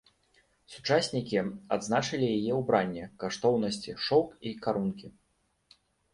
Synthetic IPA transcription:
sut͡ʂasʲnʲikʲiad̪znat͡ʂɐlʲijajɛwbɾanʲːɛkaʂt̪ɔwnɐsʲt͡sʲiʂɔwkikaɾunkʲi

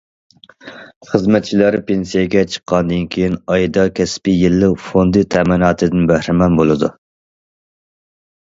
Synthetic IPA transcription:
χəzmɛt̪̚t͡ʃʰilæɾpʰensijɛɡʲɛt͡ʃʰə̥qʰːɑnd̪ɨnkʲʰejinɑjd̪ɑkʲʰɛspɪjilːɪfond̪ɨt̪ʰɛmɪnɑːt̪ʰɨd̪ɪnbæhɾɪmɛnbolˠɨd̪u

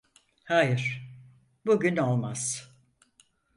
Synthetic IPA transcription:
haːjɪɾ̥ | buɟyno̞lˠmaz̥

